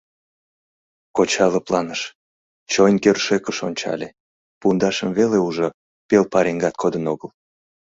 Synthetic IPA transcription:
kot͡ɕɑləplɑnəʃ | t͡ɕojnkørʃekəʃonʲt͡ɕɑ̰lʲe | pund̪ɑʃəmveleuʒo | pelpɑɾeŋɡɑt̪̚kʰod̪ənoɣəl

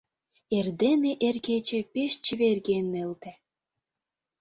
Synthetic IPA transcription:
erd̪eneʔerɣet͡ɕĕpeʃt͡ɕəβerɣenːelt̪ĕ

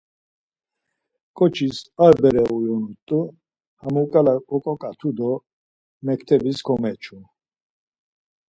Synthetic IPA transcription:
kʼɔt͡ʃʰisaɾbɛɾɛujɔnut̪ʼu | amukʼalakʼɔkʼɔkʼat̪ʰud̪ɔ | mɛkʰt̪ʰɛbisɡʰɔmɛt͡ʃʰu

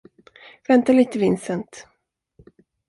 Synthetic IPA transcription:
vɛnt̪aliːt̪əvɪnsənt̪

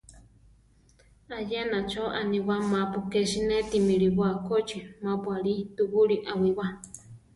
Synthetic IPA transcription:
ajenat͡ʃoʔanĩwamãpukeʃinẽt̪imiɾiβakot͡ʃimãpwaɾit̪uʔuɾiʔawiwa

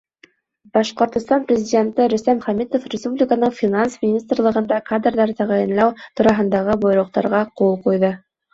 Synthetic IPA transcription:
b̥ɑʃqŏɾt̪ŏst̪ɑnprʲɪzʲɪdʲe̞nt̪ɘɾɵ̆st̪æmχæmit̪ofrʲɪspublʲɪkənɤɴfʲinansmʲɪnʲist̪rlˠɤ̆ʁɤ̆nd̪ɑkad̪rðɑɾt̪æʁæjɘ̆nlˠɑwt̪uɾɑɦɤ̆nd̪ɑʁɤbojɾŭq̚t̪ɑ̰ɾʁɑqulˠqujðɤ

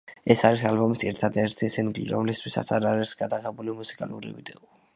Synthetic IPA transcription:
ɛsaɾisalbɔmisɛɾt̪ʰad̪ɛɾt̪ʰisinɡlḭɾɔ̰mlist̪ʰwisa̰t̪sʰaɾaɾɛsɡad̪aʁɛbulimusi̥kʼalṵɾḭvḭd̪ɛɔ

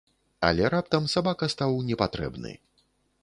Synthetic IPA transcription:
a̰lʲɛɾap̚t̪ɐmsabakɐst̪awnʲɛpat̪ɾɛ̰bnɨ̰

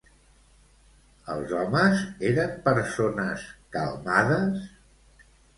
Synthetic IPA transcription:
əlˠzɔməzeɾəmpəɾsonəskə̰lˠmaðəs

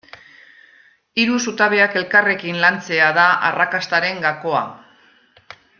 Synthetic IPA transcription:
iɾusut̪aβe̞ake̞lkare̞kinlant͡se̞aðaʔa̰rakast̪aɾe̞ŋɡako̞a̰

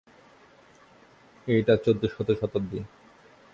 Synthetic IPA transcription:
ejʈat͡ɕod̪ːoʃɔt̪oʃɔt̪od̪i

